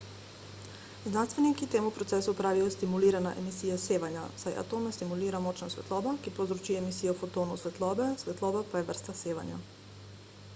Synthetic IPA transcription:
znanst̪ʋenikit̪eːmupɾot̪sesupɾaːʋijost̪imuliːɾana̰ʔemisiːjaseːʋaɲasajʔa̰t̪oːmnast̪imuliːɾamot͡ʃnasʋet̪lˠoːbakipozɾot͡ʃiemisijaufot̪oːnusʋet̪lˠoːbesʋet̪loːbapajeʋr̩st̪aseːʋa̰ɲa̰

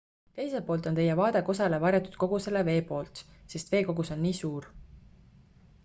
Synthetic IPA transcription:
t̪e̞jse̞lpo̞ːlt̪ot̪e̞jɛvɑːd̪e̞ko̞sɑle̞vɑɾjɑt̪ˑu̥d̪̥̚ko̞ɡ̥use̞leve̞ːpo̞ːlt̪se̞st̪ve̞ːko̞ɡuso̞nːiːsuːr

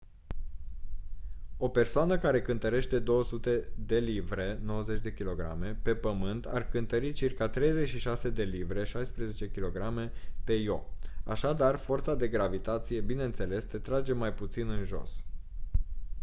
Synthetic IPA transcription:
o̞pe̞rsoanəkaɾe̞kɨnt̪əɾe̞ʃt̪e̞d̪o̞wəsut̪e̞d̪e̞livɾe̞no̞wəze̞t͡ʃʲd̪e̞kʲilo̞ɡɾa̰me̞pe̞pəmɨnt̪a̰rkɨnt̪əɾit͡ʃirkat̪ɾe̞jze̞t͡ʃʃiʃase̞d̪e̞livɾe̞ʃajspɾe̞ze̞t͡ʃe̞kʲilo̞ɡɾame̞pe̞jo̞a̰ʃad̪arfo̞rt̪sad̪e̞ɡɾavit̪at̪sije̞bine̞ɨnt̪se̞le̞st̪et̪ɾad͡ʒe̞majput̪sinɨnʒo̞̰s

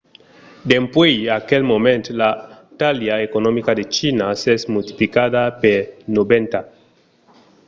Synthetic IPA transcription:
d̪empwejakelmomẽnt̪la | t̪aljaekonomikad̪et͡ʃinasesmult̪i̥plikad̪apeɾnobent̪a

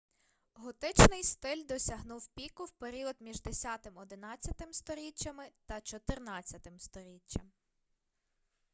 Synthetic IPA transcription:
ɦɔt̪ɪt͡ʃnɪjst̪ɪlʲd̪ɔsʲɐɦnuwpʲikʊwpeɾʲiɔd̪mʲiʒd̪esʲɑt̪ɪmɔd̪ɪnɑt͡sʲːɐt̪ɪmst̪ɔɾʲit͡ʃːɐmɪt̪ɐt͡ʃɔt̪ɪrnɑt͡sʲːɐt̪ɪmst̪ɔɾʲit͡ʃːɐm

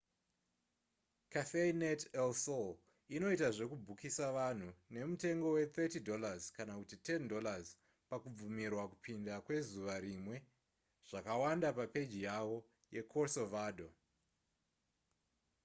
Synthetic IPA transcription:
kaθeinetelsol | ino̞itaʐe̞kubʱukisaʋan̤une̞mute̞ŋɡo̞we̞t̪etidʱo̞lazkanakutite̞ndo̞laz | pakub͡vumirwakupʰindakwe̞zuʋaɾimwe̞ | ʐ̥akawandapape̞d͡ʒijawo̞ | je̞kʰosovaːdʱo

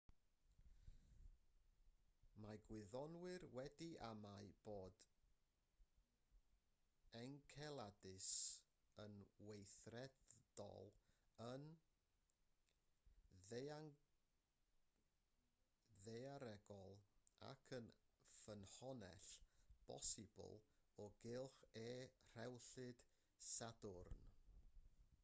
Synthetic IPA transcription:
maɡwɪðɔnwɨrwɛdiʔamaɨb̥oːd | ɛŋkʰɛlˠadɨs | ənwejθrɛd̥ɔ̰lˠən | ðe | ðeaɾɛɡɔlˠa̰kʰənfənhɔnɛ̰ɬb̥ɔ̰sɪbʊ̰lˠɔɡɪlˠχeːr̥ɛwɬɨd̥ | sadʊrn

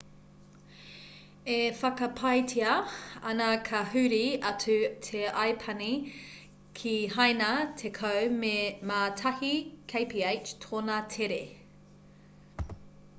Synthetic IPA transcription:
efɐkɐpʰɐjtʰiɐɐ̰nɐkʰɐhʉɾiɐt͡sʉtʰeajpʰɐni | kʰiɦɐjnɐtʰekʰowmemaːtʰɐhikʰejpʰiejt͡ʃt̪ʰoːnatʰeɾe

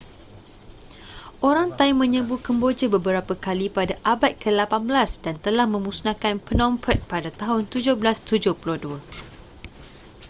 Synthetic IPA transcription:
ʔoɾaŋt̪aimːə̃ɲə̃bukəmbod͡ʒəbəbəɾapəkalipadaʔabat̪̚kʰəlapanbəlasdant̪əlahmə̃musnãkanpənɔ̃mpʰət̪̚padat̪aɦʊnt̪ud͡ʒʊhbəlast̪ud͡ʒʊhpuluduə

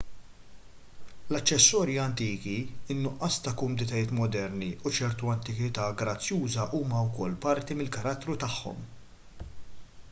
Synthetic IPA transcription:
lɐt͡ʃːɛsːɔːɾjiɐnt̪iːkiɪnːʊʔːɐːst̪ɐkʊmuːnɪt̪ɐjɪːt̪mɔd̪ɛɾniut͡ʃɛɾt̪uɐnt̪ɪkɪt̪ɐːɡɾɐt͡sːjuːzɐʔuːmɐwkɔlːpɐɾt̪imɪlkɐɾɐt̪ːɾut̪ɐħːɔ̰m

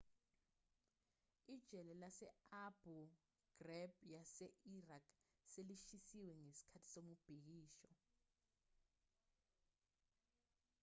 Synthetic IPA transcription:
id̥ʒ̥ʱɛlɛlasɛab̥ʱu | ɡ̥rɛb̚jasɛʔirakʰ | seliʃisiwɛŋesi̥kʰatʰi̥somub̥ʱik̬iːʃɔ

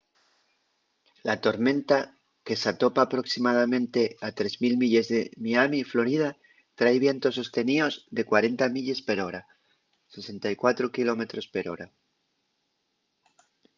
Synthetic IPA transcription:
lat̪o̞ɾmẽ̞nt̪a | ke̞sat̪o̞paːpɾo̞ksimað̞amẽ̞nt̪e̞at̪ɾe̞zmilmiʎe̞zðe̞miamiflo̞ɾið̞a | t̪ɾajβ̞je̞nt̪o̞sːo̞st̪e̞nio̞zðe̞kwaɾe̞nt̪amiʎe̞spe̞ɾo̞ɾa | se̞se̞nt̪ajkwat̪ɾokilo̞me̞t̪ɾo̞spe̞ɾo̞ɾa

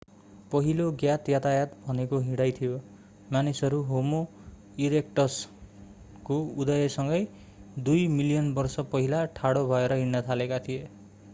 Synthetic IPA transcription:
pʌɦiloɡjat̪jat̪ajat̪bʱʌnekoɦiɽajt̪ʰijo | manisʌɾuɦomo | iɾekʈʌs | koud̪ʌjʌsʌŋɡʌj | d̪ujmilijʌnbʌrsʌpʌɦilaʈʰaɽobʱʌeɾʌɦiɽːʌt̪ʰalekat̪ʰije

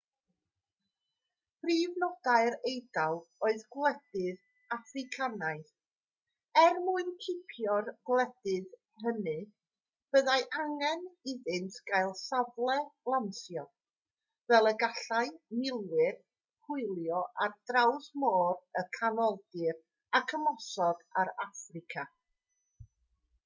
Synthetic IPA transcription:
pʰriːvnɔd̥aɨɾejdalˠoɨðɡlˠɛdɨð | afrɪkʰanajθ | ɛrmuɨnkʰɪpʰjɔrɡlˠɛd̥ɨð | hənɨ | b̥əðajʔaŋɛnɪðɨntʰɡ̥ajlˠsavlˠɛlˠamsjɔ | vɛlˠəɡaɬajmɪlˠwɪr | hʰʊɨlˠjɔʔard̥rawðmoːrəkʰanɔldɨr | akʰəmɔsɔɡ̥aɾafrɪkʰa

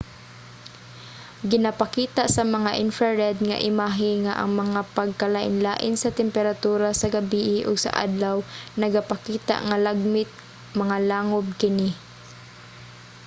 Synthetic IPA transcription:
ɡɪnɐpakiːt̪aʔsɐmɐŋaʔɪnfaɹɛd̪̚ŋa̰ʔɪmaɦɪŋaʔɐ̰ŋmɐŋapɐɡ̚kalaʔɪ̰nlaːʔɪnsɐt̪ɛmpɛɾat̪uːɾasɐɡabiːʔɪʔʊɡsɐ̰ʔa̰d̪lawnɐɡapakiːt̪a̰ʔŋalaɡ̚mɪt̪̚ | mɐŋalaːŋob̚kɪnɪ

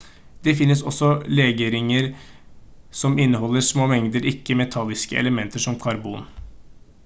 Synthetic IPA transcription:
d̪̥ɛfɪnːəsɔ̰sːɔleːɡeɾɪŋəɾ | sɔmɪnːəɦɔlːəsmoːmɛŋd̪əɾɪkːəmɛt̪ʰɑlːɪskə̰ʔɛ̰ləmɛnt̪əʂɔmkʰɑɾbṵːn

